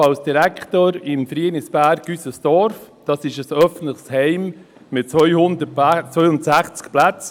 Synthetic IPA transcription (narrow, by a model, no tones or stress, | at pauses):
ɑlsd̥iɾækχtoːɾɪmfɾiənɪsb̥æːɾɡ̥ysəsd̥ɔɾfd̥ɑːsɪʃəsœfən̩tləχshɛɪm | mɪtt͡sʋœʏhʊnd̪ət͡sʋœʏʊnd̪ətsæχt͡skplæt͡s